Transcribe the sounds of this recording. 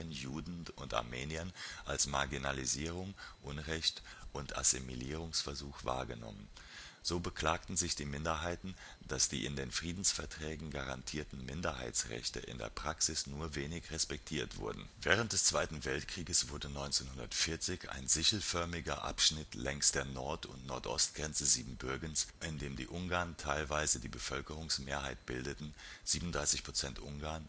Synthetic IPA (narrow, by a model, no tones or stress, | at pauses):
ənjuːdn̩ʊnta̰ɐmeːniɐnʔalsmaɐɡinaliziːʁ̞ʊŋʔʊnʁɛçtʔʊntʰʔa̰semḭliːʁ̞ʊŋsfɛɐzuːxv̥a̰ːɐɡənɔ̰mən | z̥oːbəkl̥aːk̚tn̩zɪçd̥iːmɪndɐɦaɪtn̩ | d̥asd̥ḭːʔɪndeːnfʁ̥iːdn̩sfɛɐtʁ̥ɛːɡŋ̩ɡaʁa̰ntʰiːɐtn̩mɪndɐha̰ɪt͡sʁɛ̰çtə̰ʔɪ̰ndḛːɐpʁ̥aksɪsnuːɐveːnɪçʁɛspɛk̚tʰiːɐtv̥ʊ̰ɐdn̩vɛːʁ̞ənt̚d̥ɛst͡sv̥aɪtn̩vɛltkʁ̥iːɡəsv̥ʊɐdənɔʏnt͡seːnhʊndɐtfɪɐt͡sɪça̰ɪnzɪçl̩fœɐmɪɡɐʔa̰pʃnɪtlʔɛŋstd̥eːɐnɔɐtʊ̰ntnɔ̰ɐtʔɔ̰stɡ̥ʁɛnt͡səziːbm̩bʏɐɡənsʔɪndeːmdḭːʔʊŋɡaːɐntʰaɪlvaɪzədiːbəfœlkəʁ̞ʊŋsmeːɐhaɪt̚b̥ɪldətn̩ | z̥iːbmn̩ʊndʁaɪsɪçpʁ̥ot͡sɛntʔʊŋɡaːɐn